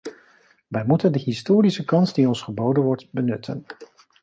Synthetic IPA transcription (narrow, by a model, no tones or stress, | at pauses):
ʋɛjmutəndəɦɪstoːɾisəkɑnsdiɔnsχəbowdənʋɔɹtbənʏtʰə̰n